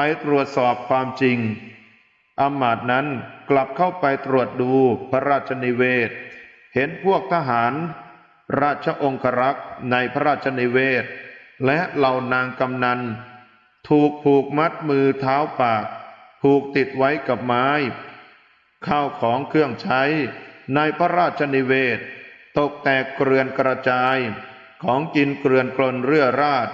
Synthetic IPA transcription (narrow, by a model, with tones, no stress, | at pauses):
pa˧jt̪ɾu˨˩ət̪̚sɔː˨˩p̚kʰwaː˧mt͡ɕi˧ŋ | ʔa˧mːaː˨˩t̪̚na˦˥nkla˨˩p̚kʰa˥˩wpa˧jt̪ɾu˨˩ət̪̚duː˧pʰa˦˥ɾaː˥˩t̪̚t͡ɕʰa˧ni˧weː˥˩t̪̚ | he˨˦npʰu˥˩ək̚t̪ʰa˧ɦaː˩˦n | ɾaː˥˩t̪̚t͡ɕʰa˧ʔo˧ŋkʰa˧ɾa˦˥k̚na˧jpʰa˦ɾaː˥˩t̪̚t͡ɕʰa˧niː˧˥weː˥˩t̪̚lɛ˦˥ʔla˧wnaː˧ŋka˧mna˧n | t̪ʰuː˨˩k̚pʰuː˨˩k̚ma˦˥t̪̚mɯː˧t̪ʰaː˦˥wpaː˨˩k̚p̪ʰuː˨˩k̚t̪i˨˩t̪̚wa˦˥jka˨˩p̚maː˦˥j | kʰaː˥˩wkʰɔː˩˦ŋkʰɯ˥˩əŋt͡ɕʰa˦˥jnaː˧jpʰɾa˦˥ɾaː˥˩t̪̚t͡ɕʰa˧ni˧weː˥˩t̪̚ːo˨˩k̚t̪ɛː˨˩kːɾɯ˧ənkɾa˧t͡ɕaː˧j | kʰɔː˩˦ŋki˧nkɾɯ˧ənklo˧nɾɯ˥˩əɾaː˥˩t̪̚